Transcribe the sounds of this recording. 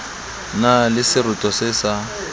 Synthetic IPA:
nalɪsɪrʊtʼɔsɪsa

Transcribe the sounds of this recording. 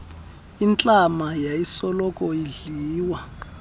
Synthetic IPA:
int͡ɬʼamajaisɔlɔkʼɔiɮiːwa

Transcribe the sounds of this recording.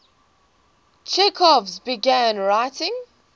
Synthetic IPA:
t͡ʃʰɛkʰɔvzbɪɡæ̃nɹaɪtɪ̃ŋ

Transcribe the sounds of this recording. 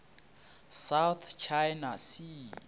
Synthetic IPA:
sawθt͡ʃʰajnasi

